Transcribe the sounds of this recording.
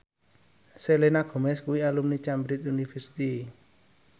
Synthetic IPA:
selenaɡ̥o̤mɛskuwialumnit͡ʃambɾit̪̬̚unifɛsi̥t̪i

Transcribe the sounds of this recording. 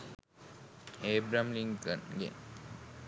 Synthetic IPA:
ebɾamliŋkənɡḛ

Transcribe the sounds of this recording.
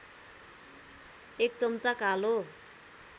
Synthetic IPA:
ek̚t͡sʌmt͡sakalo

